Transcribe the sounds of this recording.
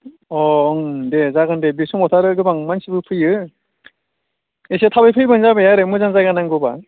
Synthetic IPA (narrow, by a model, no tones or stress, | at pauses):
ɔŋdezaɡɯndebisʰumotʰaɾɯɡɯbaŋmansibɯpʰɯjɯ | eset̪ʰabɯjpʰɯjbɯnzabejaɾɯmɯzaŋzaɡanaŋɡoba